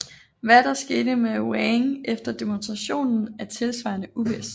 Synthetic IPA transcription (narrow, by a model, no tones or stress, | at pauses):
ʋæɾ̥ɑ̈sɡ̥e̝ːd̥əmeweŋʔefd̥ɐd̥emonsd̥ʁɑ̈ɕo̝̰ːnn̩æɐt͡sʰe̝lsʋɑ̈ːɐnəʔuʋesd̥